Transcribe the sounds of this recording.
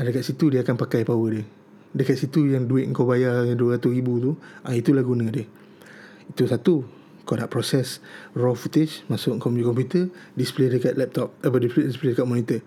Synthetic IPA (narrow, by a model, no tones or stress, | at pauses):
adəkat̪ʔ̪sit̪udiakanpakajpawədiəh | dəkaʔ̪̚sit̪ujaŋduɪʔ̪̚ŋ̩kawbajaduəɾat̪usɾibut̪uʔait̪ulahɡunə̃diəh | it̪usat̪u | kanaʔpɾɔsɛsrɔfut̪ɪt͡ʃmasʊʔkɔmd͡ʒikɔmput̪ədispledəkaʔ̪̚lɛp̚t̪ɔp̚abədispledispledəkat̪̚mɔnit̪ə